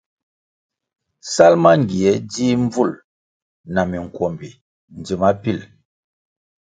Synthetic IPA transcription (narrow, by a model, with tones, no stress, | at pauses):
sa˦lma˦ŋ˨ɡi˨ɛ˦di˦ɱ˦b͡vu˦˨l | na˨mi˨ŋ˨kwɔ˨mbi˨ | n˨d͡zi˨ma˦pi˦˨l